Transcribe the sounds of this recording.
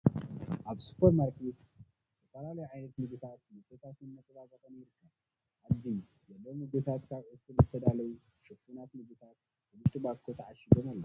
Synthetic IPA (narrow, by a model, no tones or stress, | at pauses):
ʔaβsu̥pʰːɐɾmaɾkʰet̪ | t̪ʰɐfɐlalɐjuʕajnɐt̪mɨɡɨt̪ʰat̪̚mɨsʼet̪ʰat̪ɨnːɐt͡sʼɨβazʼat̪ameɾikʰːa | ʔːβzi | zɐlːomɨɡɨt̪ʰat̪kʰaβʔɨkːulzɨt̪ʰɐd̪alɐju | ʃɐfunat̪mɨɡɨt̪ʰat̪̚ | ɨbuʃt̪ʰʼubakʰːot̪ʰɐʕaʃid̪omalːo